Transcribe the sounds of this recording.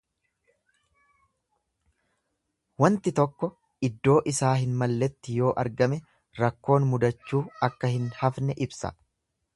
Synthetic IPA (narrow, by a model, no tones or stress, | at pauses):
wɐnt̪ɪt̪ɔkːɔ | ɪd̪ːo̞ːʔɪsaːɦɪnmɐlːɛt̪ːɪjo̞ːʔɐɾɡɐmɛ | ɾɐkːo̞ːnmʊd̪ɐt͡ʃːuːɐkːɐhɪnhɐfnɛʔɪbsɐ̰